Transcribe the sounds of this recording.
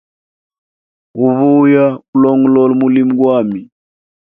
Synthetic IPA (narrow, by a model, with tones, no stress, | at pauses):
u˨βu˦ja˦u˦lɔ˦ŋ˦lɔ˦lmu˦li˦mu˦ɡwa˦mi˨